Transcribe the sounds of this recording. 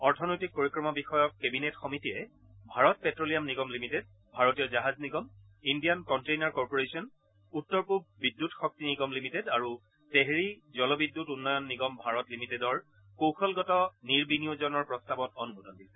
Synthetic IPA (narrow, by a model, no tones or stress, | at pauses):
ɔɹtʰɔnɔjtik̚poɹikɹɔmɔbixɔjɔk̚kːebinetxɔmitijɛ | bʱaɹɔt̚pɛtɹolijamniɡɔmlimited̚ | bʱaɹɔtijɔzaɦazniɡɔm | indijankɔntejnaɹkɔɹpoɹesiɔn | utːɔɹpubbidːutxɔk̚tiniɡɔmlimitedaɹu | teɦɹizɔlɔbidːutunːɔjɔnːiɡɔmbʱaɹɔtlimitedɔɹ | kowxɔlɡɔtɔniɹbinijozɔnɔɹpɹɔstabɔtɔnubudɔndisɛ̥